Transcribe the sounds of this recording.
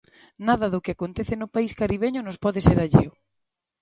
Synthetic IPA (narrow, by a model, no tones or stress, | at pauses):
naðɐðʊkɪakont̪eθenʊpaiskaɾiβ̞eɲʊnʊspɔðɪseɾaʎḛʊ